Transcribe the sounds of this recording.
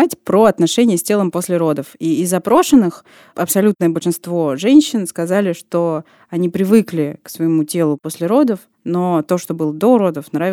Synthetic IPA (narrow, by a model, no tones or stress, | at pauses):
atʲpɾoɐt̪nɐʂɛnʲɪjəsʲtʲe̞lˠəmposʲlʲɪɾo̞d̪əfiɪzːɐpɾo̞ʂɨnːɨx | ʔɐpsɐlʲut̪nəjəbəlʲʂɨnst̪vo̞ʐɛnʲɕːɪnskɐzalʲɪʂt̪o̞ | ɐnʲipɾʲɪvɨklʲɪksvəjɪmutʲe̞lˠʊposʲlʲɪɾo̞d̪əf | no̞t̪o̞ʂt̪o̞bɨlˠəd̪oɾo̞d̪əfnɾavɪ